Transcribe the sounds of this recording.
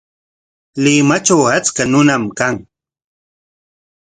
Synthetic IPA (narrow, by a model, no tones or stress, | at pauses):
lɪmat͡ʃawat͡skanʊnamkaŋ